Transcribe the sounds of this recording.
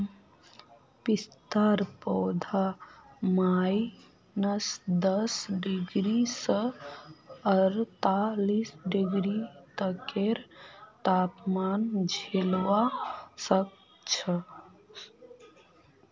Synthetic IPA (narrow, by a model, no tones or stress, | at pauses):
pist̪aɾpɔːd̪ʱamai | nəsd̪əsɖɪɡɾisə | əɾt̪alisɖiɡɾit̪əkeɾt̪apmand͡ʒʱelʋasək̚ | t͡ʃʰə